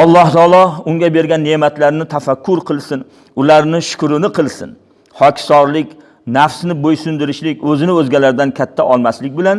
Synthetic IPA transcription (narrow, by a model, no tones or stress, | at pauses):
ɒlˠːɒht̪ʰɒːlˠɒʊŋɡʲabe̞ɾɡʲanːe̞mat̪laɾnɪt̪ʰafakʲʰːʊɾqʰɨlˠsɪn | ʊlaɾnɪʃʊ̥kʊɾɪnɪqʰɨlˠsɪ̰n | hɒkʲsɒɾlɪkʲ | nafsnɪbojsʊnd̪ɪɾɪʃlɪkʲɵzɪnɪɵzɡʲalaɾd̪ankʲʰat̪ʰːaʔɒlˠmaslɪk̚ʲbɪlan